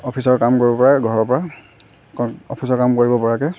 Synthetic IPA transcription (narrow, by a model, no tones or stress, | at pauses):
ɔpʰisɔɹkamkoɹibɔpɔɹaɡʱɔɹɔɹpɔɹa | kɔ̰pʰisɔɹkamkoɹibɔpɔɹakɛ